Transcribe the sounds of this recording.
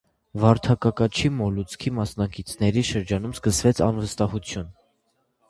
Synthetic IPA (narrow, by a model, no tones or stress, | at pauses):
vɑɾt̪ʰɑkɑkɑt͡ʃʰimɔlut͡sʰkʰimɑsnɑkit͡sʰnɛɾiʃəɾd͡ʒɑnumskəsvɛt͡sʰɑnvəst̪ɑhut͡sʰjun